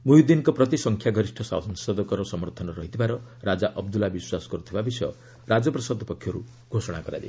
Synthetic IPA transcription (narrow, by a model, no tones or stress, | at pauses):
mujud̪inkɔpɾɔt̪isɔŋkʰjaɡɔɾisʈʰɔsa̰wsɔnsɔd̪ɔkɔɾɔsɔmɔɾt̪ʰɔnɔɾɔɦit̪ʰibaɾɔɾad͡ʒaʔɔbd̪ulabiswasɔ̥kɔɾut̪ʰibabisɔjɔ̰ | ɾad͡ʒɔpɾɔsad̪ʱɔpɔkʰːjɔɾṵ | ɡʱosɔɽ̃akɔɾa̰dḛ